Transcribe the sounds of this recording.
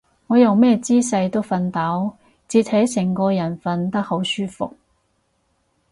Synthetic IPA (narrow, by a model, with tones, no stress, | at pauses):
ŋɔː˨˧jɐ˨wmɛː˥t͡siː˥s̬ɐ˧jt̪o˥wfɐ˧nt̪aː˨˥w | t͡siː˧t̚hɐ˨˥jsɪ˨˩ŋkɔː˧jɐ˨˩nfɐ˧nt̪ɐ˥k̚ho˨˥wsyː˥fʊ̰˨k̚